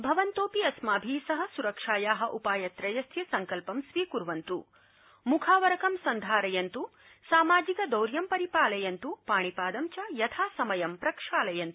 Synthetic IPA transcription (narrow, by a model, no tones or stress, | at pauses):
bʱɐʋɐnt̪oːpiɐsmaːbʱiːsɐɦɐ̆suɾɐkʂaːjaːɦɐ̆ʔupaːjɐt̪ɾɐjɐst̪ʰjɐsɐŋkɐlpɐmsʋiːkuɾʋɐnt̪ṵ | mukʰaːʋɐɾɐkɐmsɐnd̪ʱaːɾɐjɐnt̪u | saːmaːd͡ʒikɐd̪ɐwɾjɐmpɐɾipaːlɐjɐnt̪upaːɳipaːd̪ɐmt͡ʃɐjɐt̪ʰaːsɐmɐjɐmpɾɐkʂaːlɐjɐnt̪u̥